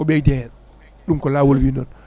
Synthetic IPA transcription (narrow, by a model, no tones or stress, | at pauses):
ɔɓɛjdɛ | ɗumkɔlaːwolwinɔn